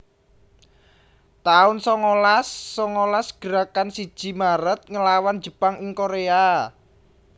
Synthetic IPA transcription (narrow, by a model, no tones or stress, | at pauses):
t̪aʊnsɔŋolasːɔŋolasɡ̥ə̤ɾakansid̥ʒ̥i̤maɾət̪̚ŋəlawan̥d͡ʒ̥ə̤paŋɪŋkoɾea